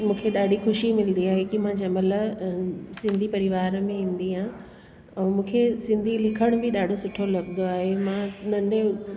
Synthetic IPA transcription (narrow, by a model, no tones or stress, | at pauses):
mũːkʰeɗaːɖʱixʊʃimɪlnd̪iaːɦekimãd͡ʑɐmələ | sɪ̃nd̪ʱipɐɾɪʋaːɾmẽĩːn̆d̪iɦãː | ɛ̃ːmũːkʰesɪ̃nd̪ʱilɪkʰəɽ̃ʊbɪɗaːɖʱosʊʈʰolɐɡnd̪oaːɦemãnɐ̃nɖe